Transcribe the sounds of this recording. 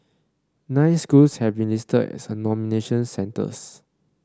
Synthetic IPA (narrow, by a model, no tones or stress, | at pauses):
nãɪnskulshɛvbĩnlistədɛ̰sənɔmineʃə̃nsɛ̃ntə̰s